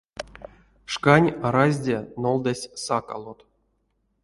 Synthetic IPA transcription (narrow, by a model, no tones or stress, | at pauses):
ʂkanʲaɾazʲdʲenolˠd̪asʲsaka̰lˠot̪